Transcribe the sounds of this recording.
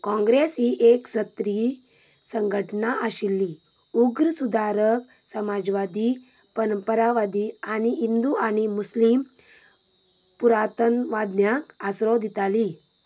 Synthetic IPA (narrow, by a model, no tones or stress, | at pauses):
kɔ̃ŋɡɾesɦiʔeksət̪ɾi | səŋɡʱəʈnaʔəɕilːi | uɡɾəsud̪ʱaɾək | səmad͡ʑʋad̪i | pənəmpəɾaʋad̪iañiɦind̪uañimuslim | puɾat̪ənʋad̪njakasɾod̪ʱit̪aliː